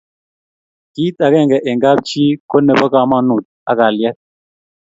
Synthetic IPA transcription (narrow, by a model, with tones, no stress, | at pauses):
ki˦ta˨ɣɛ˦˨ŋɡɛ˨ʔe˨ŋɡa˦p̚t͡ʃi˦ko˦nɛ˨bɔ˦ka˨ma˦nu˨t̚a̰˦ka˨ljɛ˦t̚